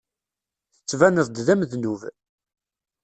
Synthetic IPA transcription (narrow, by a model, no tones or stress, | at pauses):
θə̥t͡sːvænəðˤd̪ðæmðnuv